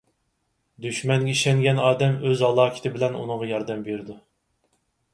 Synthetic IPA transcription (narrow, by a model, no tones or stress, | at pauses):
d̪yʃmɛŋɡʲɛiʃɛŋɡʲɛnɑːd̪ɛmøzɑlˠɑːkʲʰɪ̥t̪ʰɪbɪlɛnṵnɨŋʁɑjɑɾd̪ɛmbeɾd̪u